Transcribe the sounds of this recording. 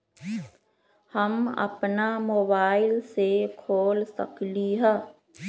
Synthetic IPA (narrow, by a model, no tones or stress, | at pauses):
həmɐ̰pnamoːbaːɪlsekʰoːlsɐ̰kliɦɛː